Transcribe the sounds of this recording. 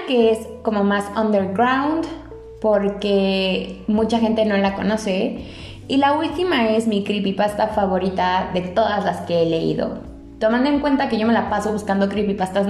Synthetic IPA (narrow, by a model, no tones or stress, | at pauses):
ke̞esko̞mo̞masond̪eɾɣɾawnd̪ | po̞ɾke̞ | mut͡ʃaxe̞nt̪e̞no̞lako̞no̞se̞ | ilault̪imae̞zmikɾipipast̪afaβo̞ɾit̪aðe̞t̪o̞ðazlaske̞ele̞ḭðo̞̰ | t̪o̞mãnd̪oŋkwe̞nt̪ake̞ʝo̞me̞lapaso̞βuskand̪o̞kɾipipast̪as